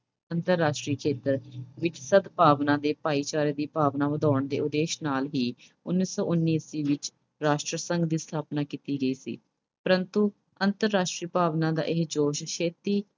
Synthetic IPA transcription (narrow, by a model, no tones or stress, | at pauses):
ənt̪əɾːaːʃʈɾiːkʰeːt̪əɾʋɪt͡ʃsəd̪paːʋnãːd̪eːpaːiːt͡ʃaːɾeːd̪iːpaːʋnãːʋəd̪aːəɳd̪ḛːʊd̪eːʃnaːlɦiː | ʊnːiːsɔ̰ːʔʊnːiːsiːʋɪt͡ʃ | ɾaːʃʈɾəsəŋɡd̪iːst̪ʰaːpnaːkit̪iːɡəiːsḭː | pəɾənt̪uː | ənt̪əɾːaːʃʈɾiːpaːʋnãːd̪a̰ːʔɪɦd͡ʒoːʃʃʰeːt̪iː